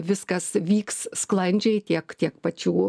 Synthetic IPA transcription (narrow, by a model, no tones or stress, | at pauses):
ʋʲɪskɐsʋʲiːkssklˠɐnʲd͡ʒʲɛɪtʲiɛkt̪ʲiɛkpɐt͡ʃʲuː